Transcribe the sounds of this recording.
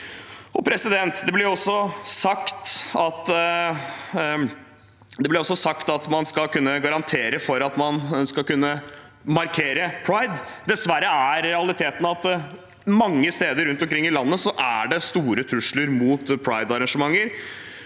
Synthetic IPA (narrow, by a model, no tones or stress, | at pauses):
ɔpʰɾɛsɪd̪ɛnt̪d̪ɛblɪɾɔsːɔsɑkt̪ɑt̪ | d̪ɛblɪɾɔsːɔsɑkt̪ɑt̪mɑnskɑlkʰʉnːəɡɑɾɑnt̪ʰeːɾəfɔɾɑt̪mɑnskɑkʉnːə | mɑɾkʰeːɾəpʰɹɑɪd̪d̪ɛsʋæɾːəæɾɾɛɑlɪt̪ʰeːt̪n̩ɑt̪ | mɑŋːəst̪eːd̪əɾʉnt̪ɔmkɾɪŋːɪlɑnːəsɔʔæɖɛst̪uːɾət̪ʰɾʉʂləɾmuːt̪pʰɹɑɪd̪ɑɾɑŋʂəmɑŋːəɾ